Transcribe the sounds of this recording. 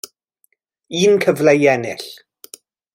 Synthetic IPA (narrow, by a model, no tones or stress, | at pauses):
iːnkʰəvlajɛnɪ̰ɬ